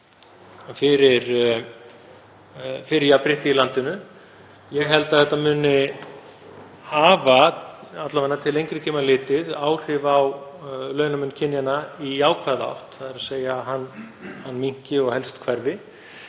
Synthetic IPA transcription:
fɪɾɪɾ | fɪɾɪjapɾɪht̪ɪilant̪ɪnʏ | jɛɣɦɛlt̪aðθɛht̪ːamʏːnɪ | haːvaat̪lamɛnːat̪ʰɪlejŋkɾɪcʰeːmalɪːt̪ɪðaːwr̥ɪvawlœːɥnamʏnːcʰɪnjanaiaːwkʰvaða̰wht̪θaðɛɾaseːjaɦanhanːmiŋ̥cɪɔɣhɛlst̪kʰvɛɾvɪ

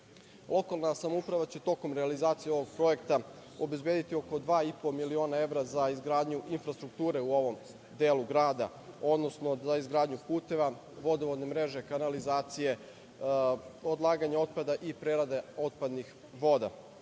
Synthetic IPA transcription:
lˠo̞kalˠnasamoupɾaʋat͡ɕe̞t̪o̞ko̞mɾealizaːt̪sijeo̞ʋo̞ɡ̚pɾo̞je̞kt̪a | o̞be̞zbjed̪it̪io̞ko̞d̪ʋaːipomilio̞ːnae̞ʋɾazaizɡɾaːd̪ɲuʔinfɾast̪ɾukt̪uːɾe̞uoʋo̞m | d̪eːlˠuɡɾaːd̪a̰ | o̞d̪no̞sno̞zaizɡɾaːd̪ɲupuːt̪e̞ʋa | ʋo̞d̪oʋod̪ne̞mɾe̞ʒe̞kanalizaːt̪sije̞ | od̪lˠaːɡaɲao̞t̪̚pad̪aʔipɾeɾad̪eo̞t̪̚pad̪nix | ʋo̞d̪a̰

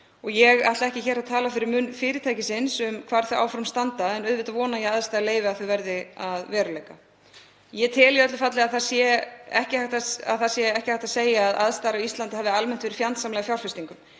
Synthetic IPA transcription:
ɔɣjɛɣa̰ht̪laɛhcɪçɛːɾaðt̪ʰaːlafɪɾɪɾmʏnfɪːɾɪt̪ʰaːjcɪsɪnsʏmkʰvaːɾ̥θœʔa̰ːwfɔɾʏmst̪ant̪aɛnœðvɪht̪aðvɔːnajɛaðst̪aːɾaleːjvɪaðθœɥvɛɾðɪaðvɛːɾʏlejka | jɛt̪ʰɪljɪœt̪lʏfat̪lɪaðθasjɛɛhcɪhaht̪aa̰ðθaðsjɛɛhcɪhajht̪aðseːjaːðʔa̰ðst̪aːɾaist̪lant̪ɪhaːvðɪalmɛn̥t̪vɛɾɪ̥fjant̪samlɛɣafjawlfɛst̪iŋkʏm

